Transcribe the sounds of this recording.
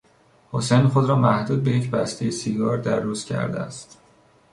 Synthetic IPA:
hosejnxod̪ɾɒːmæhd̪uːd̪̚be̞jecʰbæst̪ʰejesiɡɒːɾd̪æɾːuːz̥cʰæ̰ɾd̪eæ̰st̪

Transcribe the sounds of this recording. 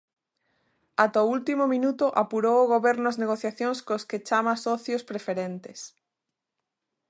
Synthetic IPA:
at̪oult̪imomĩnut̪ʊʔapuɾowʊɣoβɛɾnʊazneɣoθjaθjõŋskosket͡ʃamasɔθjospɾefeɾent̪es

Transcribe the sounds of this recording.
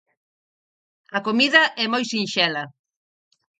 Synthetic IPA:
ɐkomiðɐʔɛmojsinʃɛlɐ

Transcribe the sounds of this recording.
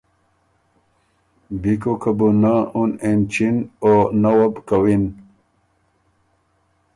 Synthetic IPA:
bikokʰəbunaunent͡ɕinonawabkawin

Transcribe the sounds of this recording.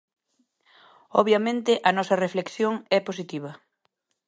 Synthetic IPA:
ɔβjɐmẽnt̪ɪʔɐnɔsɐreflekθjoŋɛposit̪iβɐ

